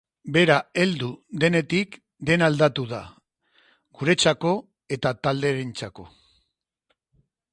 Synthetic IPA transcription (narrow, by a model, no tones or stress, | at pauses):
be̞ɾae̞ld̪ud̪e̞ne̞t̪ik | d̪e̞nald̪at̪uð̞a | ɡ̥uɾe̞t͡sako̞ | e̞t̪at̪ald̪e̞ɾent͡sako̞